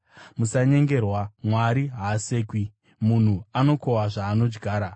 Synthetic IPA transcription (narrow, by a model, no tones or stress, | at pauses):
musaɲe̞ŋɡe̞rwamwaɾiɦaːse̞ːkwi | mun̤uano̞ko̞waʐaːno̞d͡ʒɡʱaːɾa